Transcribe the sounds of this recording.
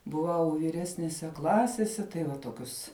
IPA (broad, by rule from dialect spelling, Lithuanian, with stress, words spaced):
bʊˈʋɐʊ ʋʲiːˈrʲæːsʲnʲɛsʲɛ ˈklˠɑːsʲɛsʲɛ tɐɪ ˈʋɐ ˈtoːkʲʊs